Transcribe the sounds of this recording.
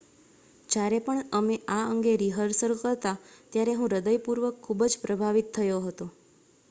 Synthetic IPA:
d͡ʒjaɾepəɳəmeʔaəŋɡeɾiɦəɾsəɾukəɾt̪at̪jaɾeɦũɾəd̪əjpuɾʋəkʰːubəd͡ʒpɾəbʱaʋit̪ʰːəjoɦət̪o

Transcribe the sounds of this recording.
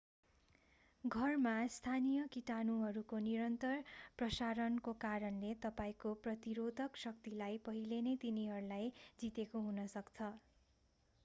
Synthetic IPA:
ɡʱʌrmast̪ʰanijʌkiʈanuɦʌɾukoniɾʌnt̪ʌrprʌsaɾʌnkokaɾʌnlet̪ʌpaĩkoprʌt̪iɾod̪ʱʌksʌk̚t̪ilajpʌɦilenet̪iniɦʌɾulajd͡zit̪ekoɦunʌsʌkt͡sʰʌ

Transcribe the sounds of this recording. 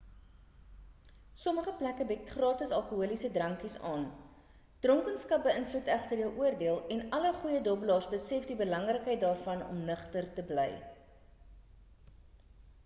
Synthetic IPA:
sɔməχəplækəbək̚tχrɑːtəsɐlˠkuɦuəlisədrɐŋkisɑ̰ːn | d̥rɔŋkənskɐp̚bəənflutæχtərjəwʔuərdiəlˠɛnɐləχujədɔblɑːrsbəsɛfdibəlɐŋrəkɦəjt̚dɑːrfɐnɔ̰mnəχtərtəblɛj

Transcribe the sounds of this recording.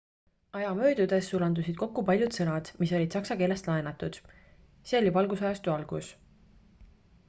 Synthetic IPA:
ɑjɑmø̞ːd̪̥ud̪̥e̞sːulɑnd̪usid̪̥̚ko̞kːupɑlʲjud̪̥sɤ̞nɑd̪̥miso̞lʲid̪̥sɑksɑke̞ːle̞st̪lɑenɑt̪ːˑud̪̥ | selʲibɑlɡusɑjɑst̪uɑlɡ̥us

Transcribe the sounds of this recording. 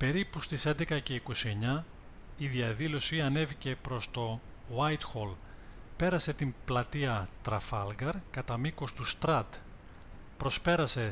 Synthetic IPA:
pe̞ɾipust̪ise̞nd̪e̞kɐce̞iko̞sie̞ɲɐ | iðiɐðilo̞siɐne̞vice̞pɾo̞st̪o̞ | wɐjt̪xolpe̞ɾɐse̞t̪implɐt̪iɐt̪ɾɐfɐlɡɐɾkɐt̪ɐmiko̞st̪ust̪ɾɐt̪ | pɾo̞spe̞ɾɐse̞

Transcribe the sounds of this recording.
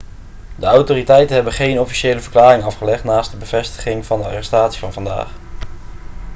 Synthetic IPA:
dəawtoːritɛjtənɦɛbənχejnɔfi̥ʃejləvəɹklaːrɪŋɑfχəlɛχtnaːst̚dəbəv̥ɛstə̥χɪŋv̥ɑndəɑ̰rɛstaːtsi̥vɑnvɑnda̰ːχ

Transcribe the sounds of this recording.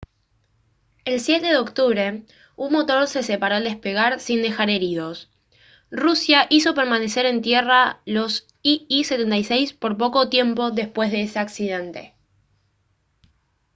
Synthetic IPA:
elsjet̪e̞ðeo̞kt̪uβɾe̞ | unmo̞t̪o̞ɾse̞sepaɾoald̪e̞spe̞ɣ̞aɾsind̪e̞xaɾe̞ɾiðo̞s | rusjaʔiso̞pe̞ɾmane̞se̞ɾe̞nt̪je̞ralo̞s | iise̞t̪e̞nt̪ajsejspo̞ɾp̬o̞ko̞t̪je̞mpo̞ðe̞spwe̞zðe̞eseaksiðe̞nt̪e̞̥̰

